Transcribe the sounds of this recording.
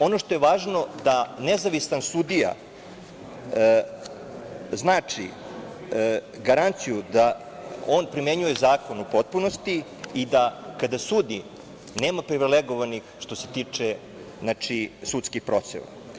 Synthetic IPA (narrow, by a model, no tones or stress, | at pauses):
o̞noʃt̪o̞jeʋaːʒno̞d̪anezaʋisansud̪ija̰ | znaːt͡ʂḭ | ɡaɾant̪sijud̪a | onpɾime̞ɲujezaːko̞nupo̞t̪̚punost̪iː | d̪akad̪asuːd̪i | neːmapɾiʋileɡo̞ʋanixʃt̪o̞se̞t̪iːt͡ʂe | znat͡ʂisut̪skixpɾo̞t̪sḛʋa̰